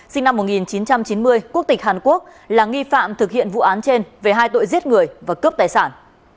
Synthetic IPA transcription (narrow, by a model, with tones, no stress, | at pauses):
sï˧ŋna˧mːo˨˩t̚ŋi˨˩nt͡ɕi˨˦nt͡ɕa˧mt͡ɕi˨˦nmɨ˧əjku˦˥ək̚t̪i˨˩k̟̚haː˨˩nku˦˥ək̚ | laː˨˩ŋi˧fa̰ː˧˨mt̪ʰɨ˨˩k̚hḭ˧˨ənvṵ˧˨ʔaː˨˦nt͡ɕe˧nve˨˩ɦaː˧jt̪o̰˧˨jzi˦˥ət̚ŋɨ˨˩əjvaː˨˩kə˦˥p̚t̪aː˨˩jsaː˧˩n